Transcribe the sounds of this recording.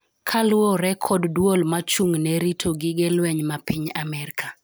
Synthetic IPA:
kʰalʊoɾɛkʰɔddwolmat͡ʃuŋnɛɾitʰoɡɪɡɛlwɛɲmapiɲamɛrkʰa

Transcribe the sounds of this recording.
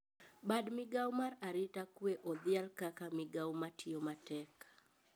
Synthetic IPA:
badmɪɡawmaraɾitakueʔɔðialkakamɪɡawmatʰiomatɛkḁ

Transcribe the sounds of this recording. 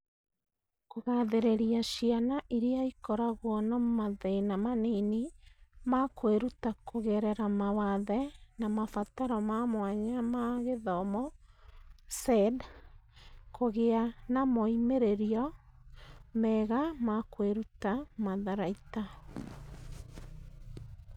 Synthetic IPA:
koɣaðeɾeɾiaʃianaʔiɾeaikɔɾaɣwɔnamaðeinamanenimakweɾutakoɣɛɾɛɾamawaðɛnamafataɾɔmamwaɲamaɣeðɔmɔ | sɛd | kʰoɣeanamɔimeɾeɾiɔ | mɛɣamakweɾutamaðaɾaita

